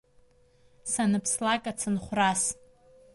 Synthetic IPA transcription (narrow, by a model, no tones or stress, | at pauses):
sanɨpʰslakʼat͡sʰɨnχʷras